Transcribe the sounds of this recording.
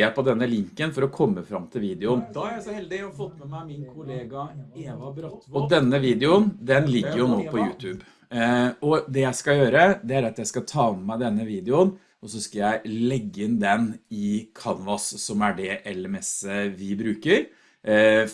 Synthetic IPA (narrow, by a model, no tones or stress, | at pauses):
pɔd̪ɛnːəlɪŋkənfɔɾɔkʰɔmːəfɾɑmt̪ʰɪlʋiːd̪ɪʊnɛld̪ɪfɔt̪ːmɛmmɪnkʰʊleːɡɑeːɔd̪ɛnːəʋiːd̪ɪʊnd̪ɛnlɪɡːəɾjʊnoːpʰɔjʉːt̪ʰʉːb | ɔd̪ɛjæɪskɑjøːɾəd̪ɛæɾɑt̪jæɪskɑt̪ʰɑːnmæɪd̪ɛnːəʋiːd̪ɪʊn | ɔsɔskɑjæɪlɛɡːəɪnd̪ɛnɪkʰɑnʋɑssɔmæɖɛʔɛlɛmɛsːəʋɪbɾʉːkəɾ